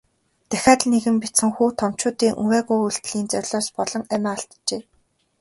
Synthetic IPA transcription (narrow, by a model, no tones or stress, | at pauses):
t̪æxʲaːt̪neɣɘ̆mpit͡sɘ̆ŋxuːt̪ʰɔm̥t͡ɕʊːt̪iːŋʔṵwæːɣujuɬt̪ɮiːnt͡sœrʲɮɔːspɔɮɞ̆ŋæmʲæːɬt̪t͡ɕeː